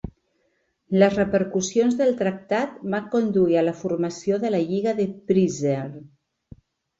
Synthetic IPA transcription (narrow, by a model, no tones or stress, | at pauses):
ləzrəpəɾkusijonzðəlˠt̪ɾak̚t̪at̪baŋkond̪uiələfuɾmasioðəlaʎiɣaðəpɾizel